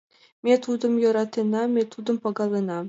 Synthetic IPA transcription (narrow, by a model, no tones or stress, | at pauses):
mʲet̪ud̪ɤ̆mjɤ̆ɾɑt̪ʲːenɑmʲet̪ud̪ɤ̆mpɑɡɑlˠenɑ